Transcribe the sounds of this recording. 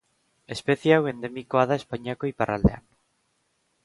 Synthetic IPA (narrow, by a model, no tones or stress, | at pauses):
espeθjawend̪emikoaðaespaɲakoipara̰ld̪ea̰n